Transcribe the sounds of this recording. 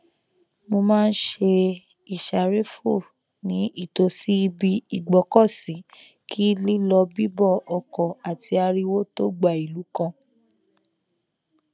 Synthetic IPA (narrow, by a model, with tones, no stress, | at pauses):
mo˧mãː˦˧n̩˦ʃe˧ | i˨ʃa˨ɾe˦fo˦˨ | nĩ˨˦ʔi˦˨to˧si˦bi˧i˨ɡ͡bɔ˨kɔ˦˨si˨˦ | kʰi˦li˦lɔ˧bi˦bɔ˦˨ɔ˨kɔ˨a˨ti˧a˧ɾi˧wo˦to˦ɡ͡ba˨i˨lu˨˦kã˧